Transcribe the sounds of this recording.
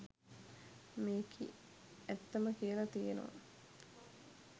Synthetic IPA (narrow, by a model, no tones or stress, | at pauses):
meːkʰḭ | æt̪ːɐməkijəlɐt̪ieno̰ʋa̰